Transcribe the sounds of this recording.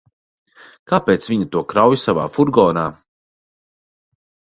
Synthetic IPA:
kaːpeːt̪sviɲit̪uɔkɾawjsava̰ːfuɾɡɔːnaː

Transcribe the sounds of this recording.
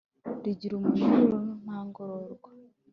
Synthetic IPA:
ɾiɟiɾumuʒuɾonaːŋɡoɾoɾɡḁ

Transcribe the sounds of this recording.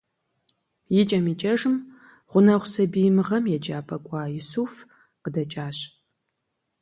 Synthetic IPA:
jɪt͡ʃʼɐmit͡ʃʼɐʒɨm | ʁʷʊnɐʁʷʊsɐbijmɨʁɐmjɛd͡ʒʼaːpʰʼɐkʷʼɑːjʊsuːf | qədɐt͡ʃʼaːɕ

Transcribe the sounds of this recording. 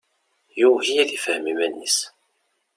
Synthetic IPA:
jʊhijælifəhmimænːis

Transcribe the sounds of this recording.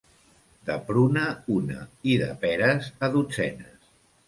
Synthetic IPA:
d̪əpɾunəunə̰iðə̰pɛɾəzəðud͡zɛ̰nəs

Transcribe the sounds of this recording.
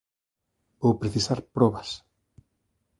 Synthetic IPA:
bowpɾeθisaɾpɾɔβas

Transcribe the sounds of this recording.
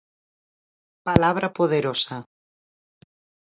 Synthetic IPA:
palaβ̞ɾʔapoðeɾosa

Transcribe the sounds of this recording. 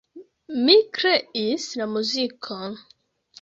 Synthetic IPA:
mikɾeisnamuzikʰɔn

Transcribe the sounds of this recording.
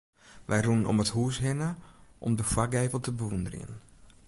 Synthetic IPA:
ʋɛjrunnɔ̰məthuːsɦɪnəʔɔ̰mdəfwaɡɛːvəlˠtəbəʋundərḭə̰n

